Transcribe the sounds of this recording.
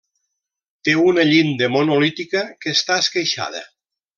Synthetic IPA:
t̪eunəʎind̪əmonolit̪ikəkest̪aeskejʃa̰ð̞ə̰

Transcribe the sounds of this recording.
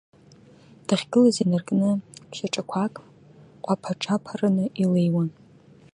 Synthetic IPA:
d̥ɨχʲɡɨlazinarkʼnɨʃʷaʈ͡ʂʼakʷʰakʼ | qʷʼapʰaʈ͡ʂʰapʰaranɨʔilejwan

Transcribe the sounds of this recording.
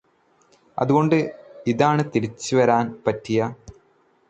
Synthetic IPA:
ɐ̰ðuɣo̞ɳɖɨiðaːɳɨt̪iɾit͡ɕːɨʋɐɾaːnpɐtːijɐ

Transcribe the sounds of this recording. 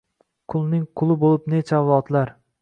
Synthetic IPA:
qʰʊlˠnɪŋqʰʊlˠɪbolɪpnet͡ʃʰavɒt̪laɾ

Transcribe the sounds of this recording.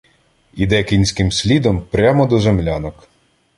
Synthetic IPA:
id̪ɛkʲinʲsʲkɪmsʲlʲid̪ɔmpɾʲamɔd̪ɔzemlʲanɔk

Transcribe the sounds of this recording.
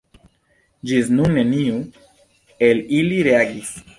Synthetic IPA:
d͡ʒiznuŋneniu | eliliɾeaɡis

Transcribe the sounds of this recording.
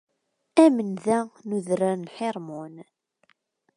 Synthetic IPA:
æmənðænuðɾanħɪɾˤmun

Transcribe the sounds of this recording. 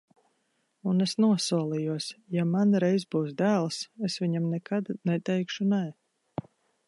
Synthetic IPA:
unesnuɔsuɔlˠijuɔsjamanɾɛjzbuːs̬d̪æːlˠɨsesvʲiɲamnɛkad̪nɛt̪ɛjkʃunɛj

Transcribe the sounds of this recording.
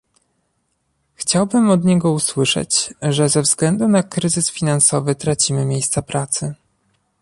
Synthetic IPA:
xt͡ɕawbɘmɔd̪ɲɛɡɔuswɘʂɛ̰t͡ɕʐɛzɛvzɡlɛnd̪unakɾɘzɘsfʲinansɔvɘt̪ɾat͡ɕimɘmʲjejst̪sapɾat̪sɘ

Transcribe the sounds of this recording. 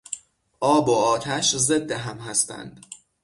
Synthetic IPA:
ʔɒːboɒːt̪ʰæʃzed̪ːeɦæmɦæst̪æ̰nd̪̥

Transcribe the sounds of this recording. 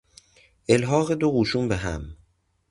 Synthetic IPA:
ʔelɦɒːɣed̪oɣuːʃuːmbeɦæ̰m

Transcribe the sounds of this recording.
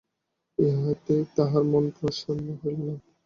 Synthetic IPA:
eɦɔjt̪et̪aɦaɾmonpɾɔʃonːoɦolna

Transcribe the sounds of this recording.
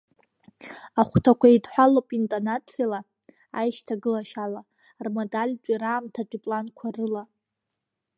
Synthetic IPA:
aχʷtʰakʷaidħʷᶣalopʼintʼanat͡sʰila | a̰jʃtʰaɡɨlaʃala | rmodalʲt͡pʷʼiɾaːmtʰat͡pʼipʼlankʷʰarɨla

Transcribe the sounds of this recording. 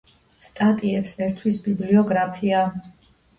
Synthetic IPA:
st̪ʼat̪ʼiɛpsɛɾt̪ʰwisbibliɔɡɾapʰia

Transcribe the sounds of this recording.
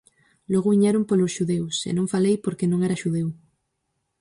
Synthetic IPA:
loɣoβiɲeɾompolosʃuðewsḛnõŋfalejpoɾkenõŋeɾaʃuðew

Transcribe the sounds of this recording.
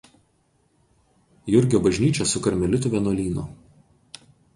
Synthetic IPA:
jʊɾʲɡʲoːbɐʒʲnʲiːt͡ʃʲɛsʊkɐɾʲmʲɛlʲʊt̪ʊʋʲɛˑnuɔlʲiːnʊ̰

